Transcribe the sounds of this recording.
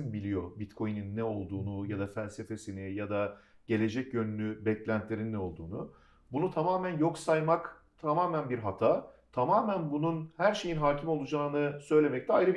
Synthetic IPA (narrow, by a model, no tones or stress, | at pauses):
nbilʲijo̞bit̪kʰo̞jnynːɛo̞lˠd̪uːnujad̪afælʲse̞fe̞sinijad̪aɟ̥e̞lʲe̞d͡ʒɛcjønynʲybɛclʲænt̪lʲe̞ɾinːɛo̞lˠd̪uːnu | bunut̪ʰamaːmænjo̞ksajmak | t̪ʰamaːmænbiɾɦat̪ʰaːt̪ʰamaːmænbununhæɾʃe̞jinɦaːcʰimo̞lˠud͡ʒaːnɯsø̞jlʲe̞mɛc̚t̪ʰɛajɾɯb